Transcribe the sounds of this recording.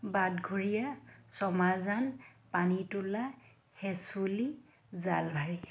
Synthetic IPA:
badɡʱuɹijasɔmazanpanitula | hɛsuli | zalbʱaɹi

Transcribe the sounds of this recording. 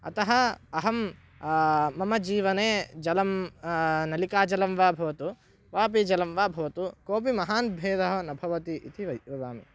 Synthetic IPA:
ɐ̰t̪ɐɦɐɐɦɐm | ɐmɐd͡ʒiːʋɐneːd͡ʒɐlɐm | nɐlikaːd͡ʒɐlɐmʋaːbʱɐʋɐt̪u | ʋaːp̬id͡ʒɐlɐmʋaːbʱɐʋɐt̪ukoːp̬imɐɦaːnbʱeːd̪ɐɦɐnɐbʱɐʋɐt̪iʔit̪ʰiʋɐjʋɐʋaːmḭ

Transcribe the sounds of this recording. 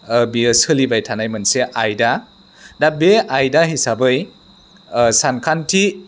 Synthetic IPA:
biɯsɯlibajtʰanajmɯnseʔajda | dabeajdaɦisabɯj | sankʰantʰi

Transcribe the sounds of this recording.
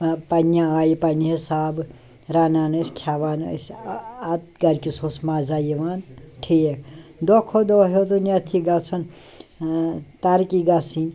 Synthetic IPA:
pɐnjaaːjipɐniɦisaːb | ɾaːnaːnɐsʲkʰjaːʋaːn̰sɐt̪̚ɡɐɾkʲisoːsmaːzaːjiʋaːnʈʰiekd̪okʰod̪ɔɦot̪unʲɐt̪ʰiɡɐt͡sʰɐn | t̪ɐɾkiɡɐsin

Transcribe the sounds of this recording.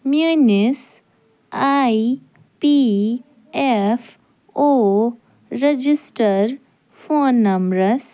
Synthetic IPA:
mjunis | ai | pi | ef | o | ɾed͡ʒisʈəɾ | fʰonːɐmɾəs

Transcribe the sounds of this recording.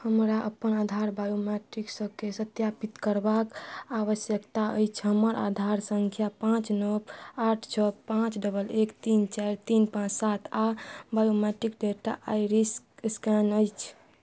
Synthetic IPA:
həmɾaʔəpənad̪ʱaɾbajomɛʈiksəbkesət̪japit̪kəɾbakaβəsjəkt̪aə̰jt͡ʃʰɦəməɾa̰d̪ʱaɾsəŋkʰjapãt͡ʃnəbaʈʰt͡ʃʰəpãt͡ʃɖəbəlekt̪int͡ʃaɾt̪inpãt͡ʃsat̪ʰabajomɛʈikɖeʈa̰ʔjɾis | skɛnəjt͡ʃʰ

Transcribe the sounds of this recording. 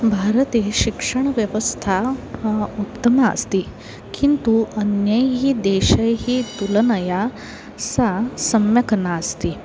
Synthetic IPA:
bʱaɾət̪eʃikʂɐɳ̃ʋjɐʋəst̪ʰa | utt̪ːɐma̰ːst̪i | kint̪uʔɐnjɐjɦid̪eːʃɐjɦit̪ulɐnɐja | sasɐmjɐkɐnaːst̪i

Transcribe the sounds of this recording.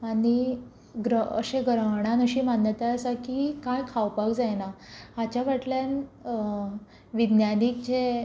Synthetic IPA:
ani | ɡɾəə̰ɕẽɡɾəɦɳãnəɕiːmanjət̪aəsakikãjkʰawpaɡd͡zajnaat͡ɕaʋ̤aʈljan | ʋid̪njanik̚t͡ɕe

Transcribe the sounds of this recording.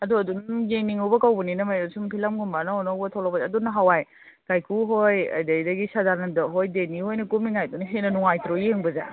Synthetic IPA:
ɐduɐdunjeŋniŋubɐkawbɐninɐmajɾosumpʰilɐmɡumbanɐɔnowbɐtʰawlabɐzɐdunːɐɦawaj | kajkuɦojɐ̰jdɐjdɐɡisadaɾnɐdɔɦojdenihojnɐkumiŋajduniɦenɐnuŋajtɾojeŋbɐza̰

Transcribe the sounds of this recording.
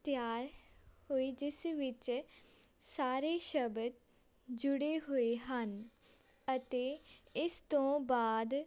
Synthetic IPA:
t̪jaːɾhoːiːd͡ʒɪsʋɪt͡ʃ | saːɾeːʃəbəd̪ | d͡ʒʊɽeːɦoːeːɦən | ət̪eːɪst̪õːbaːd̪

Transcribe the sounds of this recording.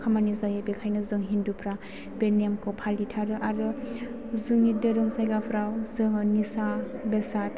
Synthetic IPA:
kʰamanizajabekʰajnɯzɯŋɦindupʰɾa | benemkʰɔpʰalːitʰaɾɯʔaɾɯ | zɯŋidɯɾɯmsajɡapʰɾawzɯŋnisabesat̚

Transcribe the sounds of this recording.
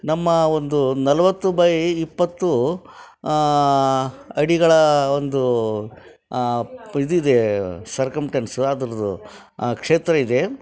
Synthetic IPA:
nɐmːɐo̞nd̪unɐlɐʋɐt̪ːubɐːjiːpːɐt̪ːu | ɐɽiɡɐɭɐond̪u | id̪uid̪e̞sɐɾkɐmsʈensad̪ɐɾɐd̪ṵ | kʂe̞ːt̪ɾɐid̪e̞

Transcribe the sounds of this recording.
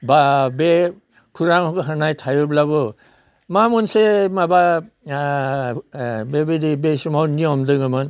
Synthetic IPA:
babe | kʰuɾaŋɔkɯɦanajtʰajɔblabɯ | mamɔnsemaba | bebedibesumawniɔmdɯŋɯmɯn

